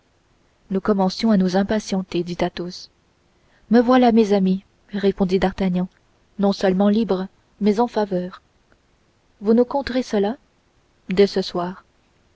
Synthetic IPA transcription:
nukɔmɑ̃sjɔ̃anuzɛ̃pasjɑ̃t̪ed̪it̪at̪os | məvwalamezami | ʁepɔ̃d̪id̪aʁt̪aɲjɑ̃ | nɔ̃sœlmɑ̃libʁə | mɛzɑ̃favœːʁ | vunukɔ̃t̪ʁesəla | d̪ɛsəswaːʁ

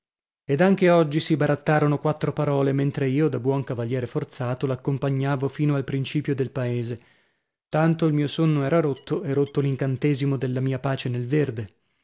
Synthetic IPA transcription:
ed̪aŋk̟eɔd͡ʒːisibaɾat̪ːaːɾonokwat̪ːɾopaɾɔːlement̪ɾeiːod̪abwɔŋkavaljɛːɾefort̪saːt̪olakːompaɲːaːvofiːnoalpɾint͡ʃiːpjod̪elpaeːze | t̪ant̪oilmiːosonːoɛːɾaɾot̪ːoeɾot̪ːoliŋkant̪eːzimod̪elːamiːapaːt͡ʃenelverd̪e

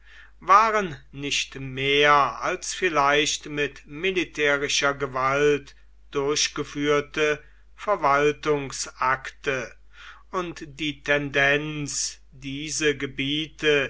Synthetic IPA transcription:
vaːʁənnɪçtmeːɐalsfɪlaɪʃtmɪtmɪlitʰɛːʁɪʃɐɡəvalt | d̥ʊɐɕɡ̥əfyːɐtə | fɛɐvaltʊŋsʔaktə | ʊntd̥iːtʰɛndɛnt͡s | d̥iːzəɡəbiːtə

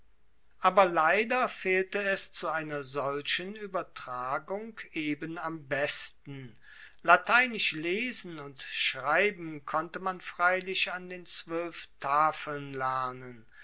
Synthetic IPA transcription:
ʔaːbɐlaɪdɐfeːltəɛst͡suaɪnɐzɔlʃənyːbɐtʁ̥aːɡʊŋkʰeːbənambɛstn̩ | latʰaɪnɪʃleːzn̩ʊntʃʁaɪbm̩kʰɔntəmanfʁ̥aɪlɪʃandeːnt͡sv̥œlftʰaːfəl̩nlɛɐnən

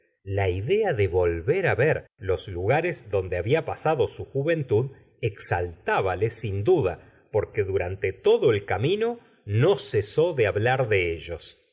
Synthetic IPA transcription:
laiðeaðeβo̞lβeɾaβeɾlo̞sluɣaɾezðo̞nd̪eaβiapasaðo̞suxuβe̞nt̪uð | eksalt̪aβalesind̪uða | po̞ɾkeðuɾant̪et̪o̞ðoelkamĩno̞ | no̞seso̞ðeaβlaɾðeeʒo̞s

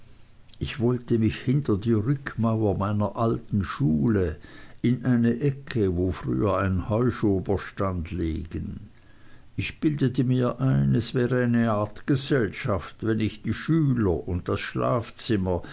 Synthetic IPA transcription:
ʔɪçv̥ɔltəmɪçhɪntɐdiːʁʏkʰmaʊɐmaɪnɐʔaltn̩ʃuːləɪnʔaɪnəʔɛkʰəvoːfʁy̰ːɐaɪnənhɔʏʃoːbɐʃtandlḛːɡ̥ən | ɪçb̥ɪldətəmiːɐʔaɪnɛsvɛːʁəaɪnəaːɐtɡ̥əzɛlʃaftvɛnɪçd̥iːʃyːlɐʔʊnt̚d̥asʃla̰ːft͡sɪmɐ

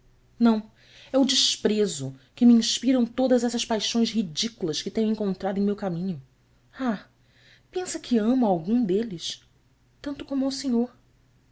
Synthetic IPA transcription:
nɐ̃w̃ | ɛʊd͡ʒiʃpɾezʊkɪmiĩʃpiɾɐ̃w̃t̪od̪ɐzɛsɐspajʃõj̃zhid͡ʒikulɐskɪt̪ẽj̃ẽŋkõnt̪ɾad̪ʊẽj̃mewkamĩɲʊ | a | pẽsɐkʰɪɐ̃mʊawɡũd̪elɪs | t̪ɐ̃nt̪ʊkõmʊawseɲoɾ

